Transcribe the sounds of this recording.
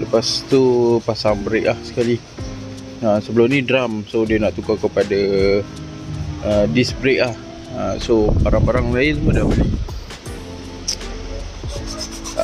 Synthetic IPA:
ləpast̪upasaŋbəɾeʔlahsə̥kali | əsəbəlʊmnidɾamsodiənaʔt̪ukakəpada | ədisbɾeʔlah | əsobaɾaŋbaɾaŋlaɪnmədamli

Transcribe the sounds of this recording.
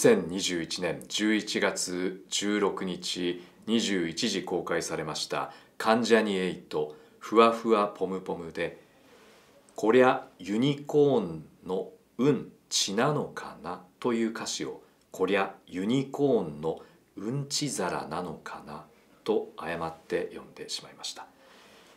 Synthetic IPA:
sẽ̞ɲɲːiʑɨːit͡ɕinẽ̞ɲd͡ʑɨːit͡ɕiɡat͡sɨd͡ʑɨːɾo̞kɯ̟ɲ̟it͡ɕi | ɲ̟iʑɨːit͡ɕiʑiko̞ːkaisaɾe̞maɕi̥t̪a̰kʰãɲ̟d͡ʑaɲ̟ieit̪o̞ | ɸɯ̟βaɸɯ̟βapʰo̞mɯ̟po̞mɯ̟d̪e̞ | kʰo̞ɾejajɯ̟ɲ̟iko̞ːnːo̞ | ɯ̟̃n | t͡ɕinano̞kʰa̰nat̪o̞jɯ̟ːkaɕio̞ | kʰo̞ɾʲajɯ̟ɲ̟iko̞ːnːo̞ | ɯ̟̃ɲ̟t͡ɕizaɾa̰nano̞kʰana | t̪o̞ajamat̪ːe̞jõ̞nd̪e̞ɕi̥maimaɕi̥t̪ḁ

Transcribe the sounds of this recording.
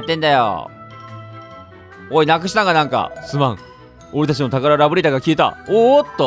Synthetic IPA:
t̪ːẽ̞nd̪ajo̰ | oinakɯ̟ɕ̬i̥t̪ãŋɡanãŋka̰sɨmãŋ | o̞ɾet̪at͡ɕ̬imo̞t̪akaɾaɾabɯ̟ɾit̪aɡakʲiːt̪a̰ot̪ːo

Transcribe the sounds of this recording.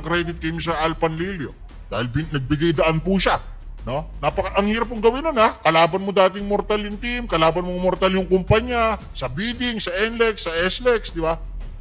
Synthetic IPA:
kɾɛd̪ɪt̪̚kɐjmis̬ɐʔalpɐnliljo | d̪̥aːhɪlbɪnɐɡ̚bɪɡajd̪ɐʔanpuʃa | no̞nɐpɐkaʔɐŋhiːɾɐp̬̚ːʊŋɡɐwɪnonakɐlaːbɐnmod̪aːt̪̬ɪŋmoɾt̪aljʊŋt̪imkɐlaːbɐnmoŋmoɾt̪aljʊŋkʊmpaɲɐ | sɐbiːd̪ɪŋsɐʔɛnlɛksːɐʔɛslɛksd̪ɪba

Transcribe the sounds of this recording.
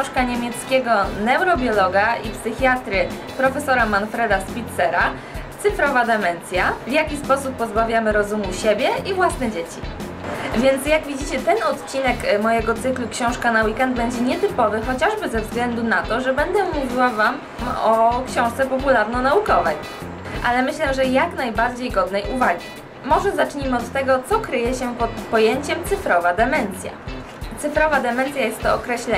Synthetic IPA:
ɔ̃ʂkaɲemʲjɛt̪skʲeɡɔnɛwɾɔbʲjɔlɔɡaipsɘxʲjat̪ɾɘ | pɾɔfɛsɔɾamanfɾɛd̪aspʲit̪sɛɾa | t̪sɘfɾɔvad̪ɛmɛnt̪sʲjavʲjakʲispɔsupːɔzbavʲjamɘɾɔzumuɕebʲjɛivwasnɛd͡ʑet͡ɕi | vʲjɛnt̪sjaɡvʲid͡ʑit͡ɕɛt̪ɛnɔt̪t͡ɕinɛkmɔjɛɡɔt̪sɘklukɕɔ̃w̃ʂkanawikɛnd̪̚bɛɲd͡ʑɛɲɛt̪ɘpɔvɘxɔt͡ɕaʐbɘzɛvzɡlɛnd̪unat̪ɔʐɛbɛnd̪ɛmːuvʲiwavam | ɔkɕɔ̃w̃ʂt̪sɛpɔpulaɾnɔnaukɔvɛj | ʔalɛmɘɕlɛʐɛjaknajbaɾd͡ʑejɡɔd̪nɛjuvaɡʲi | mɔʐɛzat͡ʂɲimɘɔt̪ːɛɡɔt̪sɔkɾɘjɛɕɛpɔt̪pɔjeɲt͡ɕɛmt̪sɘfɾɔvad̪ɛmɛnt̪sʲja̰ | t̪sɘfɾɔvad̪ɛmɛnt̪sʲjajɛst̪ːɔɔkɾɛɕlɛ

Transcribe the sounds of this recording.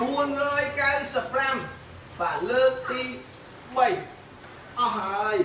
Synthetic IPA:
ɓuənrɔːjkawsəpːram | ɓaːʔləːk̚t̪iː | ɓəj | ʔɑhːaəj

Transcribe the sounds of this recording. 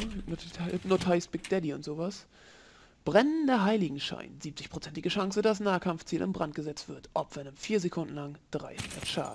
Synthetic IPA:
notʰaɪsb̥ɪk̚d̥ɛdiʊntz̥oːvas | b̥ʁɛnəndəɐɦaɪlɪɡŋ̩ʃa̰ɪnz̥iːp̚t͡sɪçpʁ̥ot͡sɛntɪɡəʃaŋsədasnaːkʰamft͡siːlʔɪ̰mbʁant̚ɡ̥əzɛt͡stv̥ɪɐtʔɔpv̥ɛnəmfiːɐzekʰʊndn̩laŋd̥ʁa̰ɪsɛ̰tʃa̰ːd

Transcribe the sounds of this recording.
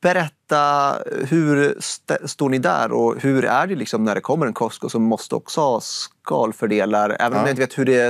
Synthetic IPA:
b̥ɛɾɛt̪ːaɦɵɾst̪ɛst̪oːɳɪd̪æ̰ɾɔhʉɾæɖɛlɪksɔmnæɖɛkʰɔmːəɾɛnkʰɔskɔsɔmːɔst̪əɔ̰ksɔhɑskɑːlfœɖeːlaɾɛ̰ːvənɔjaɪnt̪əveːt̪hɵɖɛ

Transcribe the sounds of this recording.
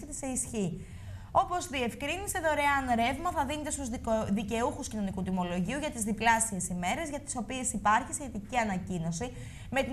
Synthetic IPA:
et̪e̥se̞isçi | o̞po̞zðie̞fkɾinise̞ðo̞ɾe̞ɐnɾe̞vmɐθɐðinet̪e̞st̪uzðice̞uxuscino̞nikut̪imo̞lo̞ʝiuʝɐt̪izðiplɐsie̞sime̞ɾe̞zʝɐt̪i̥so̞pie̞sipɐɾçisçe̞t̪iciɐnɐcino̞si | me̞t̪i

